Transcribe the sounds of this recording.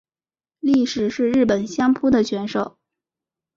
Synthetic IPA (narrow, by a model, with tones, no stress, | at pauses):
li˥˩ʂɻ̩˨˩ʂɻ̩˥˧ɻɻ̩˥˩pə˨˩nɕjɑ˥ŋpʰu˥d̪ə˨t͡ɕʰɥɛ˧˥nʂo˨˩˦ʊ